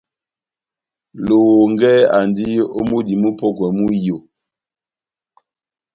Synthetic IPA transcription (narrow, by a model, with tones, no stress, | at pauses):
lo˨wo˨ŋɡɛ˦a˨ndi˦o̰˦mu˦di˨mu˦pɔ˦kwɛ˨mu˦jo˨